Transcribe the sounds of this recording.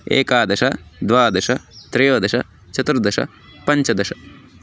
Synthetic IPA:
ḛːkaːd̪ɐʃɐd̪ʋaːd̪ɐʂɐt̪ɾejoːd̪ɐʃɐ̰ | t͡ʃɐt̪ɾɐd̪ɐʃɐ̰ | pɐɲt͡ʃɐd̪ɐʃɐ

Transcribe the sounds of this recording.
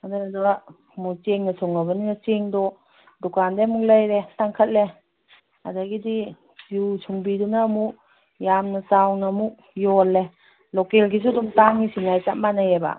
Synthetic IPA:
adaadaa | mut͡ʃeŋnasʰɔŋabaninat͡ʃeŋdɔ | dɔkandemuk̚lajɾetaŋkʰət̚le | a̰daɡidi | ziusʰuŋbidunamu | jamnasawnamuk̚jɔlːe | lɔkelɡis̬udumtaŋisinajt͡ʃat̚manajeba̰

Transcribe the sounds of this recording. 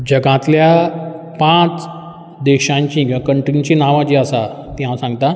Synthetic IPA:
d͡ʑəɡãt̪lja | pãt͡s | d̪eɕãɲt͡ɕĩːkĩʋakəɳʈɾĩɲt͡ɕinaʋãt͡ɕiəsa | t̪iãsãŋɡt̪a

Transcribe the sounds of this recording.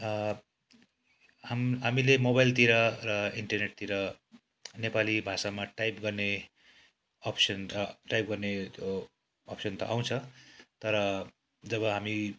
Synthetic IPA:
amɦamilemobajlt̪iɾʌrʌiɳʈʌrneʈ̚t̪iɾʌ | nepalibʱasamaʈajpɡʌrne | ʌpʰsʌnʈajp̚ɡʌrnet̪joː | psʌnt̪ʌ̰ʔaw̃t͡sʰʌt̪ʌɾʌ | d͡zʌβʌɦami

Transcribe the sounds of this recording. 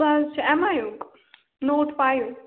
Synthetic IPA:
azt͡ʃʰɛmaːjũk | noːʈpaːjũ

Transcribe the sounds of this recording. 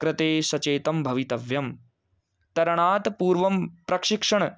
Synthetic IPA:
kɾɪt̪eːsɐt͡ʃeːt̪ɐmbʱɐʋit̪ɐʋjɐm | t̪ɐɾɐɳaːt̪puːɾʋɐmpɾɐkʂɪkʂɐɳ

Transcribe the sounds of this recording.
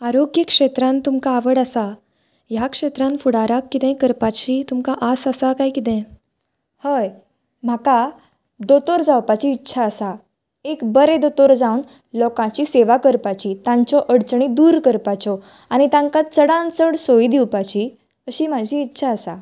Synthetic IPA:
aɾoɡjəkʂet̪ɾãnt̪umkaːʋəɽasa | jakʂet̪ɾãnfuɽaɾakːit̪ɛ̃kəɾpat͡ɕiːt̪umkaʔasasakaikit̪ɛ̃ | həj | m̤aka | d̪ot̪oɾd͡zawpat͡ɕiːtːɕʰaəsa | ekbəɾẽd̪ot̪oɾd͡zawn | lɔkãt͡ɕiːseʋakəɾpat͡ɕit̪ãɲt͡sɔʔəɽt͡sɳid̪uːɾkəɾpat͡sɔ | añit̪ãŋkat͡səɽãnt͡səɽsoid̪iwpat͡ɕi | əɕiːm̤ad͡ʑʱiːtːɕʰaəsa̰

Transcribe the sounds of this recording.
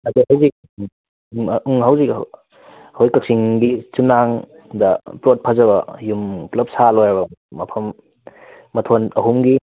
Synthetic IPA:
ɐduɦawzik̚ | uŋɦawzik | hojkɐk̚siŋɡit͡ʃunːaŋ | dɐpɾot̚pʰɐzɐβɐjumplɐp̚salojɐbɐmɐpʰɐmː | ɐtʰonɐɦumɡi

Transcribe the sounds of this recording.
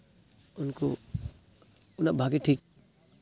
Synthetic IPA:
ʊnko | ʊnabʱaːɡiʈʰiːk̚

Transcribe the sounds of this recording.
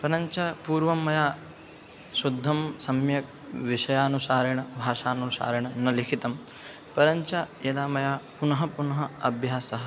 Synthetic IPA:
pɐɾɐɲt͡ʃɐpuːɾʋɐmːɐjaː | ʃud̪ʱːɐmsɐmjɐk̚ | ʋiʂɐjaːnusaːɾiɳɐbʱaːʂaːnɐsa̰ːɾiɳɐnɐlikʰit̪ɐm | pɐɾɐɲt͡ʃɐ | elaːmɐjaːpunɐɦɐ̆punɐɦɐɐbʱjaːsɐɦɐ̆

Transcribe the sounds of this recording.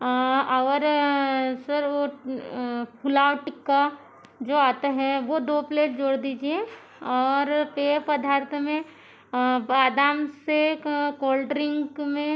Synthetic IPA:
aːɾ | sɐɾo | pʰʊlaːoʈɪkːa | d͡ʒoːaːt̪aɦɛʋod̪oːpleːʈ̚d͡ʒoːɽd̪iːd͡ʒie | ɔːɾpeːpɐd̪ʱaːɾt̪ʰmẽ | aːd̪aːmsekoːlɖɾɪ̃ŋkmẽ

